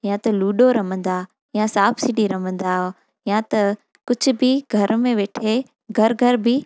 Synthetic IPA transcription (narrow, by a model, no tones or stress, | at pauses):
jãt̪ɐluːɖoɾɐmə̃nd̪aː | jãsaːbsɪɖiɾɐmə̃n̆d̪aːɦ | jãt̪ɐ | kʊd͡ʑʱʊ̆bɪɡʱɐɾmẽʋeːʈʰe | ɡʱɐɾɡʱɐɾbɪ